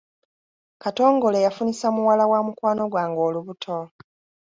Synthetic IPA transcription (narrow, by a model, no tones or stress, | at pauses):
kato̞ːŋɡo̞le̞jafunisamuwalawamukwaːno̞ɡwaːŋɡo̞ːluβutʰo̞